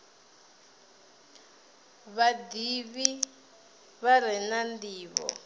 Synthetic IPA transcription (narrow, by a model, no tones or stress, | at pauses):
βadiβi | βaɾɛnandiːβɔ̰